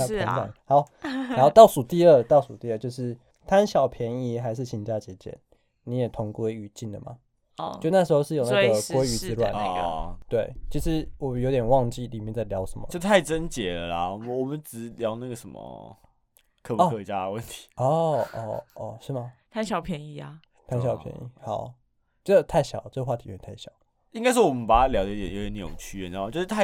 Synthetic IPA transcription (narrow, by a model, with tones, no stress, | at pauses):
a˥pi˧˥ŋta̰˨˩nha˧˥ʊ˨˦˥o˥˧t̪ɑ˥˩ʊsu˨˩t̪i˥˧ə˥˧t̪ɑ˥˩ʊsu˨˩t̪i˥˧ə˥˧t͡ɕjo˥˧ʊʂɻ̩˥˩ | t̪ʰa˦˥nɕjɑ˨˩ʊpʰjɛ˧˦˥ni˧˥xa˧˥ɪʂ̬ɻ̩˥˩ɕʰi˧˥ŋt͡ɕja˥˩t͡ɕjɛ˧˥t͡ɕjɛ̰˨˩˦n | ni˧˥jɛ˨˩t̪ʰʊ˧˥ŋkwe˥ɪy˧˦t͡ɕi˥˩nd̪ə̰˩ma̰˩˧ | jo˥˧na˥˩ʂɻ̩˧˥xo˧ʊʂ̬ɻ̩˥˩jo˥˩˧na˥˧˥ɡə˨kwe˥y˧˥t͡sɹ̩˥lwa̰˨˦n̰˧˥t̪we˥˩ɪt͡ɕʰi˧˥ʂɻ̩˧˦wɔ˨˩jo˧ʊt̪jɛ˨˩nwɑ˥˧ŋt͡ɕi˥˩li˨˩mjɛ˥˧nt͡sa˥˩ɪljɑ˧˥ʊʂə˧˦mə̰˨o˥˧t̪ʰa˥˩ɪt͡sə˦nt͡ɕjɛ˨˦lə˨la̰˨ɔ˨m˨wɔ˨˩mə˨˦nʈ͡ʂɻ̩˨˩ljɑ˧˥ʊna˥˩ɡə˩ʂə˧˦nmə̰˦ | kʰə˧˩pkʰə˧˩˧t͡ɕja˥ə˧wə˥˨nt̪ʰi̥˨˦ɔ˥˩ɔ̰˥˩ɔ˥˧ʂɻ̩˥˩ma˩t̪ʰa˥ɪɕjɑ˨˩ʊpʰjɛ˧˥ni˥˩ɐ˨ | t̪ʰa˥˩ɕjɑ˨˩pʰjɛ̰˧˦nḭ˥˩xɑ˨˩˦ʊ | t͡ɕɛ˥də˧˩t̪ʰa˥˩ɪɕjɑ̰˨˩ʊ˦t͡sə˥˩ɡə˧xwa˥˩˨o˧˥˧a˥˩ɪɕjɑ˨˩˦ʊ | i˥ŋka˥ɪʂ̬ɻ̩˥˩wɔ˨˩mə˦npa˨˩ta˦˥ljɑ˧˥ʊd̪ə˧i˥d̪ɛ˨jo˧˥˩jɛ˨na˥˩o̰˨˩ŋt͡ɕʰy˥jɛ˥˧na˥˧˨t͡ɕjo˥˧ʂ̩˥t̪ʰa˥˩